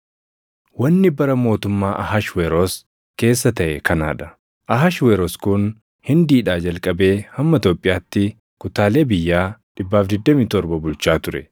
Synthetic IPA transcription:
wɐnːɪbɐɾɐmo̞ːt̪ʊmːaːʔɐɦɐʃweɾos | ke̞ːsːɐt̪ɐʔɛkɐnaːᶑɐ̥ | ʔɐɦɐʃweːɾoːskʊn | hɪnd̪iːᶑaːd͡ʒɐlkʼɐbe̞ːhɐmːɐt̪oːpʼːɪjaːt̪ːɪ | kʊt̪aːle̞ːbɪjːaːᶑɪbːaːfd̪ɪd̪ːɐmiːt̪ɔɾbɐbʊlt͡ʃːaːt̪ʊɾɛ

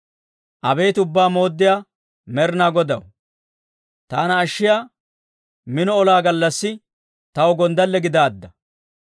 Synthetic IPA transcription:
ʔɐbe̞ːt̪ʊbːaːmo̞ːd̪ːɪjaː | mɛɾnaːɡɔd̪ɐ̰w | t̪aːnɐːʃːɪjaː | mɪnɔɔlaːɡɐlːɐsːɪ | t̪ɐwɔɡɔnd̪ɐlːɛɡɪd̪aːd̪ːɐ

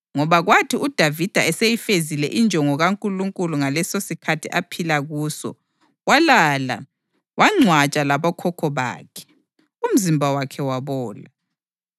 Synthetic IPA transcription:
ŋɔβaɣwatʰiud̥ʱavid̥ʱaɛsejifezilɛ̰ʔind͡ʒʱɔŋɔɣaŋkʼuluŋkʼuluŋalɛsosikʰatʰḭʔapʰilaɣuːsɔ̰ | walala̰ | wʔaŋ͡ǀʱwat͡ʃʼalaβɔkʰɔkʰɔβa̰ːkʰɛ̥ | um̩zimbʱawakʰɛwaβɔːla

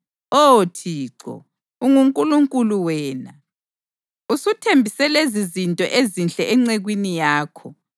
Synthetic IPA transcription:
otʰiːǀɔ̰ | uŋuŋkʼuluŋkʼuluwɛːna | usutʰembʱisɛlezizintʼɔ̰ʔezint͡ɬɛʔɛŋ͡ǀeɣwinijaːkʰɔ

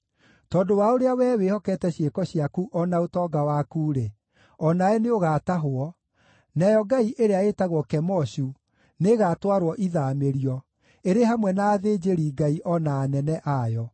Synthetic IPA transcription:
tɔːdowaoɾeawɛːwehɔkɛtɛɕjekɔɕiakuʔɔnaotɔːɡawakuːɾe | ɔnaɛneoɣaːtaɦoɔ | najɔɡaiʔeɾeaetaɣwɔkɛmɔɕu | neɣaːtwaɾwɔʔiðaːmeɾiɔ | eɾeɦamwɛnaːðeːd͡ʒeɾiːɡaiʔɔnaːnɛnɛʔajɔ

